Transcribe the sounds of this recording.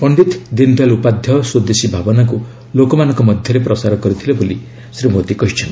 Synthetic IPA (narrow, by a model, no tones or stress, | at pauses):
pɔɳɖit̪d̪ind̪alupad̪ʱjɔsod̪esibʱabɔnaku | lokɔmanɔ̃ŋkɔmɔd̪ʱjɔɾepɾɔsaɾɔkɔɾit̪ʰileboli | sɾimod̪ikɔɦit͡ʃʰɔnt̪